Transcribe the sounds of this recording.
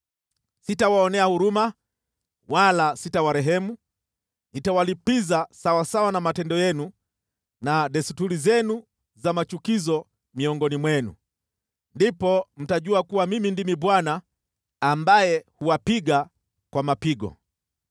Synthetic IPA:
sitawaɔnɛahuɾuma | walasitawaɾɛɦɛmu | nitawalipizasawasawanamatɛndɔjɛnu | naɗɛsi̥tulizɛnu | zamat͡ʃukizɔ | miɔŋɡɔnimwɛnṵ | ndipɔm̩taʄuakuwamimindimibwanaː | mbajɛhuapiɡa | kwamapiɡɔ̰

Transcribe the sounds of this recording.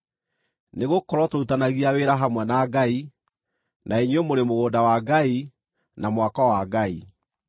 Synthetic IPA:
neɣokɔɾɔtoutanaɣiaweɾaɦamwɛnaɡai | naiɲwomoɾemoɣoːdawaɡai | namowakɔwaɡai

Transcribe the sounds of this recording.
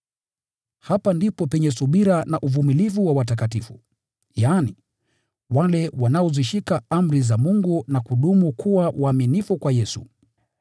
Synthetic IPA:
hapandipɔpɛɲɛsuɓiɾanaʔuvumilivuwawatak̬atifṵ | jaːni | walɛwanaɔziʃikaam̩ɾizamuŋɡunakuɗumukʰuwawaːminifukwajɛsṵ

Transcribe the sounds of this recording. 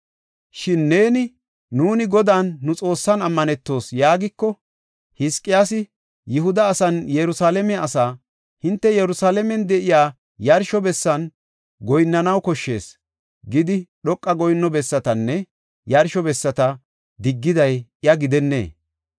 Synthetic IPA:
ʃɪnːe̞ːnɪː | uːnɪɡɔd̪aːnːʊt͡sʼo̞ːsːɐnɐmːɐnɛt̪ːo̞ːsjaːɡɪkːɔ | hɪskʼːɪjaːsɪ | jɪɦʊd̪ɐːsɐnjɛɾʊsaːlɛmɛɐsaː | hɪnt̪ːɛjɛɾʊsaːlɛmɛnd̪ɛʔɪjaː | jɐɾʃɔbɛsːɐn | ɡɔjnːɐnɐwkɔʃːe̞ːs | ɡɪd̪ɪɗɔkʼːɐɡɔjnːɔbɛsːɐt̪ɐnːɛ | jɐɾʃɔbɛsːɐt̪ɐ | d̪ɪɡːɪd̪ɐjɪɐɡɪd̪ɛnːe̞̰ː

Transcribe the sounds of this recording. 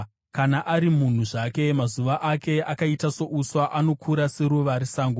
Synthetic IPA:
kanaʔaɾimun̤uʐake̞mazuʋaʔake̞akaitaso̞ʔuswaʔano̞kʰuɾase̞ɾuʋaɾisaːŋɡo

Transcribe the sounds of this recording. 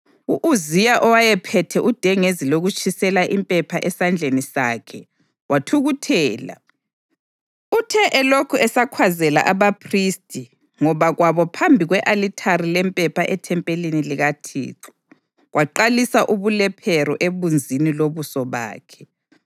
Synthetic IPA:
uʔuzijaʔɔwajɛpʰɛtʰɛʔud̥ʱɛŋeziloɣut͡ʃʼʰisɛlaʔimpʼɛpʰaʔɛsand͡ɮʱenisaːkʰɛ | wʔatʰuɣutʰɛːla̰ | utʰɛʔɛlokʰuɛsakʰwazɛla̰ʔaβapʰristʼi | ŋɔβaɣwaβɔpʰambʱiɣwɛʔalitʰaɾilɛmpʼɛpʰaʔɛtʰɛmpʼeliniliɣatʰḭːǁɔ̥ | ɣwʔaǃalisaʔuβulɛpʰɛɾɔ̰ʔeβund͡zʱiniloβusɔβa̰ːkʰɛ̥

